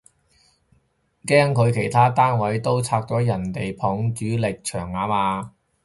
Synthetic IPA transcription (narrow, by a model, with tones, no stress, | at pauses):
kɛː˥ŋkʰɵ˨˧ɥkʰe˨˩jt̪ʰaː˥t̪aː˥nwɐ˨˥jt̪o˥wt͡sʰaː˧k̚t͡sɔː˨˥jɐ˨˩nt̪e˨jpʰɔː˨˥ŋt͡ʃyː˨˥lɪ˨k̚t͡ʃʰœː˨˩ŋːaː˨˧˥maː˨˧